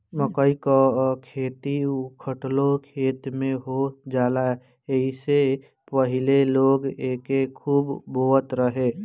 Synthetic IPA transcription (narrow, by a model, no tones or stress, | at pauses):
məkəikakʰeːt̪iʊkʰəʈlokʰeːt̪mẽɦod͡ʒaːla | eɦise | pəɦɪleloːɡeːkekʰuːbːoːət̪ɾəɦeː